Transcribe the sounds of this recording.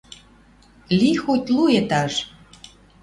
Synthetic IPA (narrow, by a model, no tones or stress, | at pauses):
lixotʲluet̪ɑʃ